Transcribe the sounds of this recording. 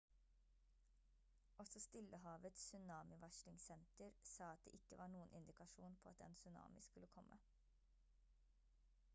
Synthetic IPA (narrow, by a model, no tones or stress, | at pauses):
ɔsɔst̪ɪləhɑːʋət̪ssʉnɑːmɪʋɑʃlɪŋsɛnt̪əɾsɑːɑt̪̚d̪eːʔɪkːəʋɑːɳuːənʔɪ̰nd̪ɪkɑʃuːnpʰoːɑt̪ɛ̰nsʉnɑ̰ːmɪskʉləkʰɔmʔə̰